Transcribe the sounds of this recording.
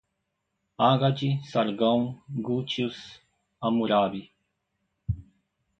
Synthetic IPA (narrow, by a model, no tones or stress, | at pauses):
aːɡad͡ʒisɐɾɡaw̃ɡut͡ʃus | ɐmuɾaːbi